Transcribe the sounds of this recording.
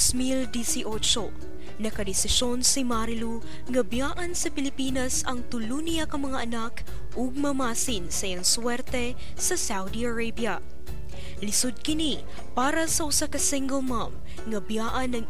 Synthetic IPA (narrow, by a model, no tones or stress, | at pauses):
smild̪isiʔot͡ʃo | nɐkɐd̪ɛsɪʃo̞nsimaɾɪlu | ŋɐbjaːʔɐnsɐpɪlɪpiːnɐsɐŋt̪ʊlunijakɐmɐŋaʔɐnak | ʔoɡ̚mɐmaːsinsɐjɐŋswɛɾt̪ɛ | sɐsawd̪iɐɹejbjɐ | lɪsʊd̪̚kɪni | paːɾɐsɐʔʊsakɐsiŋɡɛlmam | ŋɐbjaːʔɐnɐŋ